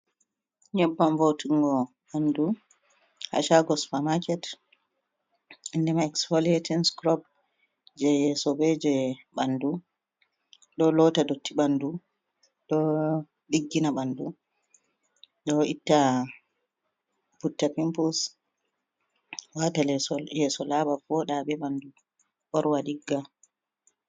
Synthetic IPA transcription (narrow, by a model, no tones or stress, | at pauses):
ɲɛbːamvotiŋɡɔ | ɓandu | ha̰ʃaɡɔsu̥pamakɛt | indɛmaɛksalietɛnskɾɔb | d͡ʒɛjɛsɔbɛd͡ʒɛɓandu | ɗɔlɔtadotːiɓandu | ɗɔ | ɗiɡːinaɓandu | ɗɔitːa | putːapimpus | watalɛsɔjɛsɔlaɓafɔɗaɓɛɓandu | ɓɔɾwaɗiɡːa